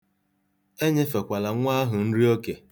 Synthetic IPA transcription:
e˦ɲe˦fe˨kʷa˨la˨ŋʷa˦ɦʊ˨n̩˦ɾi˦o˦ke˨

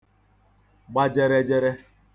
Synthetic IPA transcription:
ɡ͡ba˦d͡ʒe˦ɾe˦d͡ʒe˦ɾe˦

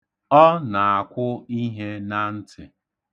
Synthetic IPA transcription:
ɔ˦na˨a˨kʷʊ˦i˦ɦe˦na˦n̩˦tɪ˨

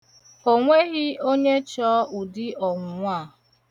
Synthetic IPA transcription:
o˨ŋʷe˦ɣɪ˦o˦ɲe˦t͡ʃɔ˦ʊ˨dɪ˦ɔ˨ŋʷʊ˨ŋʷa˦˨

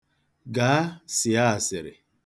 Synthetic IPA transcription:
ɡa˨˦sɪ˨a˦˨sɪ˨ɾɪ̰˨

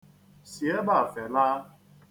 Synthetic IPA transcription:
si˨e˦ba˦˨fe˨la˦

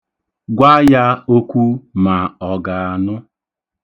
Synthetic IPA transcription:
ɡʷa˦ja˦o˦kʷu˦ma˨ɔ˨ɡa˨a˨nʊ˦

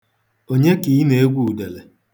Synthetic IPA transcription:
o˨ɲe˦ki˨˦ne˨e˦ɡʷu˦u˨de˨le˨

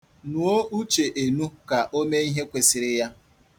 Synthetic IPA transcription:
nu˨o˦u˦t͡ʃe˨ʔe˨nu˦ka˨ʔo˦me˦i˦ɦe˦kʷe˨sɪ˨ɾɪ˦ja˦

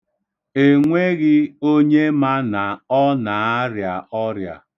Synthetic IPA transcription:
e˨ŋʷe˦ɣɪ˦o˦ɲe˦ma˦na˨ɔ˦na˨a˦ɾja˨ʔɔ˦ɾja̰˨

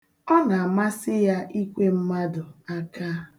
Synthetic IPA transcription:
ɔ˦na˨a˨ma˦sɪ˦ja˦ʔi˦kʷe˦m̩˦ma˦dʊ˨a˦ka˦

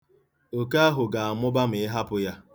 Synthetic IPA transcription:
o˨ka˦a˦ɦʊ˨ɡa˨a˨mʊ˦ba˦m̩˨ɪ˦ɦa˦pʊ˦ja˦

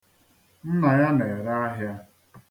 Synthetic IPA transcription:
n̩˦na˨ja˦ne˨ɾa˦a˦ɦja˦

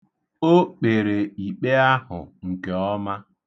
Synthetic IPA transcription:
o˦k͡pe˨ɾe˨i˨k͡pe˦a˦hʊ̰˨ŋ̩˨ke˨ɔ˦ma˦

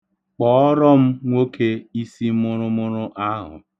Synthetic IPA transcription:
k͡pɔ˨˦ɔ˦ɾɔ˦m̩˦ŋʷo˦kʰe˦i˦si˦mʊ˦ɾʊ˦mʊ˦ɾʊ˦ʔa˦ɦʊ̰˨

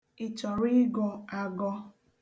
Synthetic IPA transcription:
i˨t͡ʃɔ˨ɾi˦ɡɔ˨a˨ɡɔ˦

